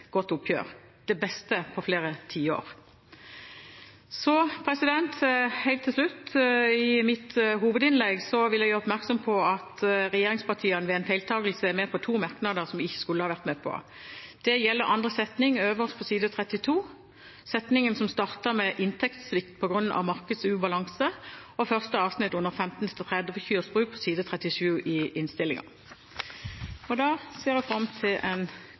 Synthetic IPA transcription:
ɡ̥ɔt̪ːʊpʰjø̰ːʁ | d̪̥ɛbɛst̪əpʰɔfleːʁət̪ʰiːəo̰ːʁ | sɔpʰʁɛsɪd̪ɛnt̪hæɪlt̪ʰːɪlslʉt̪ːɪmɪt̪ɦuːʋəd̪ɪnlɛɡsɔʋɪljæɡæɔpmæʁksɔmpʰɔɑt̪ʁɛjeːʁɪŋspɑt̪ʰiːənəʋɛɛɪnfæɪlt̪ʰɑːɡəl̩səɛmɛpʰɔt̪ʰuːmɑʁknɑd̪əʁsɔmɪçːə̥skʉlːəhɑːʋæʁt̪mɛːpʰɔ̰ | d̪̥ɛjɛlːəʁʔɑnd̪ʁəsɛt̪nɪŋøːʋəʁst̪pʰɔsiːd̪ət̪ʰʁɛt̪ɪt̪ʰuː | sɛt̪nɪŋənsɔmst̪ɑʁt̪əʁmɛʔɪnt̪ʰɛkt̪sʋɪkt̪̚pʰɔɡʁʉnːʔɑ̰ʋmɑʁkəd̪sʉːbɑlɑŋsəɔfœʁst̪əɑːʋsnɪt̪ːʊnəʁfɛmt̪n̩t̪ʰɪlt̪ʰʁɛd̪əfəçyːʁsbʁʉːk̚pʰɔsiːd̪ət̪ʰʁɛt̪ɪʂʉːʔɪʔɪnst̪ɪlɪ̰ŋɑ̰ | ɔd̪ɑːseːʁɛfʁɑmt̪ʰɪlɛ̰n

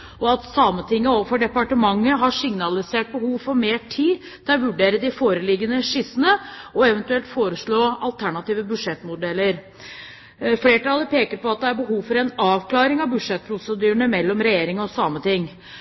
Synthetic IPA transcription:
ɔɑt̪sɑmət̪ɪŋːəoːʋəɾfɔɖɛpɑʈəmɑŋːəɦɑʂɪŋnɑlɪseːʈ̚bəhuːʋfɔɾmeːʈʰiː | t̪ʰɛʋʉɖeːɾəd̪ɪfoːɾəlɪɡːənəʂɪsənəɔɛʋənt̪ʉɛlt̪foːɾəʂɭoːɑlt̪ʰæɳɑt̪iːʋəbʉʂɛt̪ːmʊd̪ɛlːəɾ | fleːʈɑlːəɾpeːkəɾpɔɑt̪̚d̪ɛæɾbəɦuːʋfɔɾɛnɑːʋkʰlɑːɾɪŋɑʋbʉʂɛt̪̚pʰɾʊsəd̪ʉːəɳəmɛlːɔmɾɛjeːɾɪŋɔsɑːmət̪ɪŋː

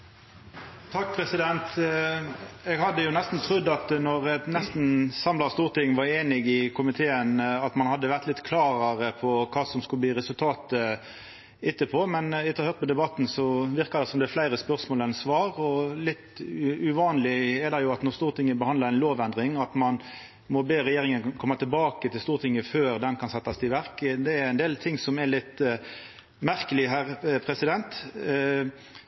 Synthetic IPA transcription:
t̪ʰɑk̚ːpʰʁɛsɪd̪ɛnt̪ | ɛɡhɑd̪ːəjʊnɛst̪n̩t̪ʰʁʉd̪ːɑt̪nɔʁɛt̪nɛst̪n̩sɑmlɑst̪uːʁt̪ʰɪŋːʋɑɾeːnɪɡɪkʰʊmɪt̪ʰeːənɑt̪mɑnhɑd̪ːəʋæʁt̪lɪt̪kʰlɑːʁəʁəpʰɔkʰɑːsɔmskʉləb̪iːʁɛsʉlt̪ʰɑːt̪ə | ɪt̪ːəpʰoːmɛnɪt̪ːɑhøːʁt̪̚mɔd̪ɛbɑt̪ːn̩sɔʋɪɾkɑɾd̪ɛsɔmd̪ɛflæɪɾəspœʁsmoːlɛnsʋɑːɾɔlɪt̪ʉʋɑːnlɪɛd̪ɑjʊɑt̪nɔst̪uːʁt̪ʰɪŋːəbəhɑnd̪əɾæɪnloːʋɛnd̪ʁɪŋɑt̪mɑn | mɔbeːɾɛjeːɾɪŋənkʰɔmːɑt̪ʰɪlbɑːkət̪ʰɪlst̪uːɾt̪ʰɪŋːəføːɾd̪ɛnkʰɑnsɛt̪ːɑst̪ʰɪʋæɾkd̪ɛæɾæɪnd̪eːlt̪ʰɪŋːsɔmɛlɪt̪ | mæɾkəlɪɦæɾpʰɾɛsɪd̪ɛnt̪

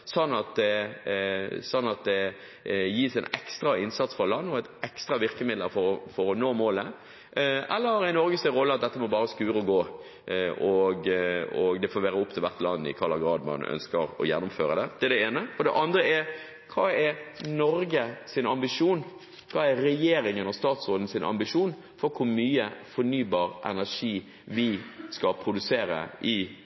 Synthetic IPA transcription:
sɔnːɑt̪̚d̪ɛ | sɔnːɑt̪̚d̪ɛ | jiːsɛɪnɛkst̪ɾɑɪnsɑt̪sfʁɑlɑnːɔæɛɪt̪ɛkst̪ɾɑʋɪɾkəmɪd̪ləɾfɔɾɔfɔɾɔnoːmoːlə | ʔɛlːəɾɛɪnɔɾɡəst̪ɛʁɔlːəɑt̪̚d̪ɛt̪ːəmɔbɑːɾəskʉːɾəɔɡoː | ʔɔɡɔɡd̪ɛfoːʋæːɾəʊpːt̪ʰɪlʋæɾt̪lɑnːɪ̰kʰɑːɾlɑɡɾɑːd̪mɑ̰nœ̰nskəɾɔ̰jɛnːʊmfø̰ːɾəd̪ɛd̪̥ɛɛɖ̪ɛeːnəɔd̪ɛʔɑnd̪ɾəɛɾ | kʰɑːɛɾnɔɾɡəsɪnɑmbɪʂuːn | kʰɑːæɾɛjeːɾɪŋənɔst̪ɑːt̪sɾoːd̪n̩sɪnʔɑ̰mbɪʂuːn | fɔɾkʰʊɾmyːəfɔɾnyːbɑːɾʔɛ̰næʂiː | ʋɪskɑpʰɾʊd̪ʉseːɾə̰ʔɪ

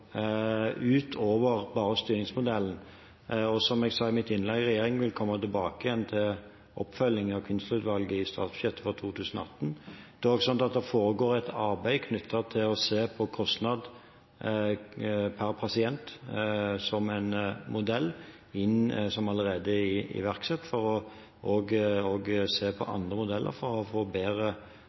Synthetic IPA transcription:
ʉːt̪ʰoːʋəɾbɑːʁəst̪yːɾɪŋsmʊd̪ɛln̩ | ɔsɔmɛɡsɑːɪmɪt̪ɪnlɛɡʁɛjeːɾɪŋʋɪlkʰɔmːət̪ɪlbɑːkəɪjɛnt̪ʰɪl | ʔɔpːfœlɪŋɑʋkʰʉnst̪ʉːt̪ʋɑlɡəɪst̪ɑ̰ːt̪sb̥ʉçɛt̪ːəfɔʁt̪ʰuːt̪ʰʉːsənɔ̰ɑ̰t̪ːn̩d̪̥ɛɔɡsɑnt̪ɑt̪̚d̪ɛfoːɾəɡoːɾɛt̪ʰɑɾbæɪkʰnʉt̪ʰːət̪ʰɪlɔseːpʰɔkʰɔst̪nɑd̪ | pʰæɾpʰɑsɪɛnt̪ | sɔmæɪnmʊd̪ɛlː | ɪnsɔmɑləɾeːd̪əɪɪ̰ʋæʁksɛt̪ːfɔɾɔ | ʔoːɡoːɡseːpʰɔ̰ʔɑ̰nd̪ʁəmʊd̪ɛlːʔə̰ɾfɔɾɔfoːbeːɾə

